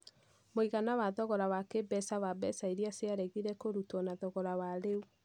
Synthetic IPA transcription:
moiɣanawaðɔɣɔɾawakebɛsawabɛsaiɾiaseaɾɛɣiɾɛkoɾutɔnaðɔɣɔɾawaɾeu

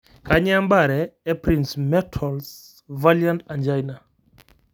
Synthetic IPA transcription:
kaɲambaɾɛːpɾinsmɛtʰɔls | valjantand͡ʒajna

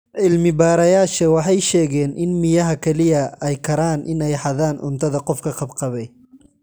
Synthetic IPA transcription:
ʔɪlmɪbaːɾɐjaːʃɐwɑħɑjʃɛːɣɛːnʔɪnmɪjɐɦɐkʰɛlɪjɐɛjkʰɐɾaːnʔɪnɛjħɑðaːnʔʊ̰nt̪ʰɐðɐqɔfkʰɐqɑbqɑβɛj

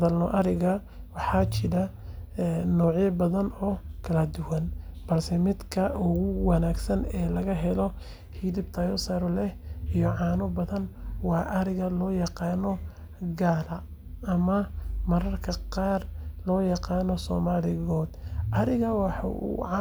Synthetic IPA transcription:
ðɐlnɔʔɐɾɪɣɐ | wɑħɑːt͡ʃɪɾɐ | ɛnɔːʕjɐbɐðɐnɔːkʰɐlɐd̪ʊwɐnb̥ɐlsɛmɪd̪kʰɐʔʊɣʊwɑnaːɡsɐnɛːlɐɣɐɦɛlɔ | hiðɪbt̪ʰaːjɔsɐɾɔlɛhijɔʕɑːnɔbɐðɐnwɑːʔɐɾɪɣɐlɔːjɑqɑːnɔ | ɡaːlɐ | ɐmɐmɐɾɐrkʰɐqɑːrlɔːjɑqɑːnɔsɔ̰ːmaːlɪɣɔːd̪ʔɐɾɪɣɐwɑħ

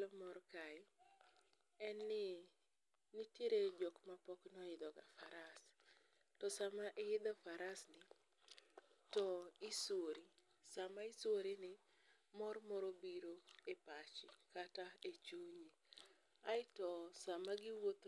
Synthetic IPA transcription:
lɔmɔɾkaɪ | ɛnːɪ | nɪtjeɾed͡ʒɔkmapɔknɔɪd̪ɔɡa̰faɾas | tɔsamaʔɪɪd̪ɔfaɾasnɪ | tɔɪsoɾi | samaɪsoɾinɪ | mɔrmɔɾɔbiɾoepat͡ʃɪkataet͡ʃoje | aɪtɔsamaɡɪwot̪

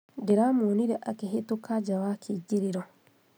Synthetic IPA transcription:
diɾamuːniɾeʔakiɦetukaɟawakʰiɟiɾiɾo

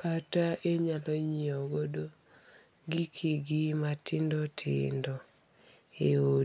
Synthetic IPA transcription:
kataʔeɲalɔɲioɡodo | ɡikʰeɡɪmatɪndɔtʰɪ̰ndɔ | eo

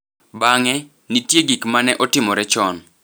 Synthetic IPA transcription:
baŋɛ | nitjeɡikmanɛʔɔtɪmɔɾɛt͡ʃɔn

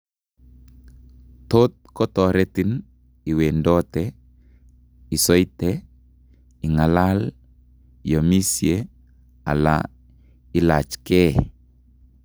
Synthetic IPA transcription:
tot̪̚kɔtɔɾetin | iwendɔtɛ | isɔjtɛ | iŋalal | jomisie | a̰la̰ | ilat͡ʃke

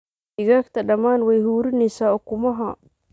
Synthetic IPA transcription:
ɪɣaːkt̪ʰɐɖɐmaːnwɛjɦuːɾɪnɛjsaːɔkʊmɐɦɐ

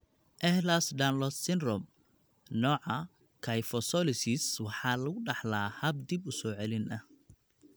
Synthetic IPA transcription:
ʔɛhlasɖanlɔsːɪnɾɔm | nɔːʕɑ | kʰɐjfɔsɔlɪsɪswɑħɑːlɐɣʊɖɑħlaːhɐb̚d̪ibʊsɔːʕɛlɪnʔɐh

